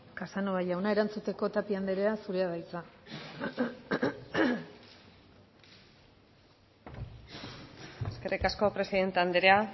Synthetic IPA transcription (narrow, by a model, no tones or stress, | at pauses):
kasanoaʎawnaeɾant͡sut̪e̞ko̞t̪apiand̪eɾe̞asuɾe̞aðajt͡sa | eske̞rʔikasko̞pɾe̞siðe̞nt̪eand̪eɾea